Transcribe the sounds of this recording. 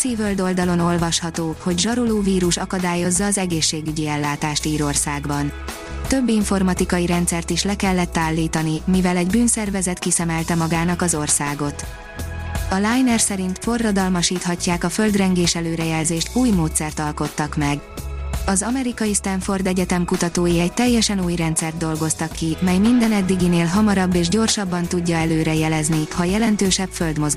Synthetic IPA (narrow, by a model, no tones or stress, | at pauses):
siːvøld̪o̞ld̪ɒlo̞no̞lvɒʃhɒt̪oːho̞ɟʒɒɾoloːviːɾuʃɒkɒd̪aːjo̞zːɒːzɛɡeːʃːeːɡyɟiɛlːaːt̪aːʃt̪iːɾo̞rsaːɡbɒn | t̪ø̞bːiɱfo̞rmɒt̪ikɒjiɾɛnt̪sɛrt̪iʃlɛkɛlːɛt̪ːaːlːiːt̪ɒnimivɛlɛɟbyːnsɛrvɛzɛt̪kisɛmɛlt̪ɛmɒɡaːnɒkɒzo̞rsaːɡo̞t̪ | ɒlaːjnɛrsɛɾint̪fo̞rːɒd̪ɒlmɒʃiːt̪hɒcːaːkɒfø̞ld̪rɛŋɡeːʃɛløːɾɛjɛlzeːʃt̪uːjmoːt̪sɛrt̪ɒlko̞t̪ːɒkmɛɡ | ɒzɒmɛɾikɒjist̪ɛɱfo̞rd̪ɛɟɛt̪ɛmkut̪ɒt̪oːjiɛc̚t̪ɛjːɛʃɛnuːjrɛnt̪sɛrd̪̚ːo̞lɡo̞st̪ɒkːimɛjmind̪ɛnɛd̪ːiɡineːlɦɒmɒɾɒbːeːʒɟo̞rʃɒbːɒnt̪uɟːɒɛløːɾɛjɛlɛznihɒjɛlɛnt̪øːʃɛpføld̪mo̞z